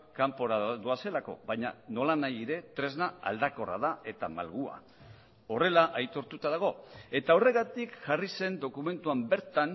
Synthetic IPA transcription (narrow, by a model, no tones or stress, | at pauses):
kampo̞ɾaðoase̞lako̞̰βaɲa̰no̞lanajiɾe̞t̪ɾe̞znaa̰ld̪ako̞ra̰ðae̞t̪ama̰lɣua̰ | o̞re̞laʔajt̪o̞ɾt̪ut̪að̞aɣ̞o̞e̞t̪ao̞re̞ɣat̪ikʝarise̞nd̪o̞kume̞nt̪uambe̞ɾt̪an